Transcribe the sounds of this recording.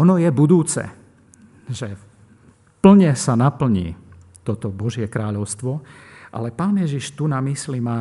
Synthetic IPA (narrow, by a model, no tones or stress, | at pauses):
ɔnɔjɛbud̪uːt͡sɛ̰ | ʒɛ | pl̩ɲɛsanapl̩ɲḭː | t̪ɔt̪ɔbɔʒɪɛkɾaːʎɔʊst̪ʋɔʔa̰lɛpaːnjɛʒiʃt̪unamislimaː